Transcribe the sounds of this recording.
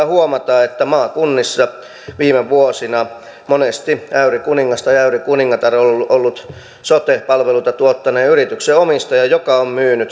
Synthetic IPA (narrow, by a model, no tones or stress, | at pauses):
huomɑt̪ɑːet̪ːæmɑːkunːisːɑ | ʋiːmeʋuosinɑ | monest̪iæyrikuniŋːɑst̪ɑjæyrikuniŋːɑt̪ɑrolːʔolːut̪ | sot̪ehpɑlʋelut̪ɑt̪uot̪ːɑneːyrit̪ykseomist̪ɑjɑjokɑommyːnyt̪